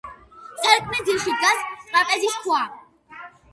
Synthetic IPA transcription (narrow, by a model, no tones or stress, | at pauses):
saɾkʰʼmɛziʃid̪ɡast̪ʼɾʼapʼɛziskʰwa